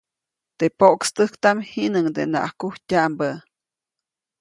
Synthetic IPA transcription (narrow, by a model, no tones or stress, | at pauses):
t̪epoʔkst̪əhkt̪amhinəŋd̪ena̰ʔakuhtʲaʔmbə